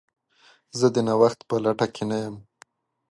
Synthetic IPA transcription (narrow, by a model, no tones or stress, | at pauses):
zəd̪ənawaxt̪pəlaʈakʰenajəm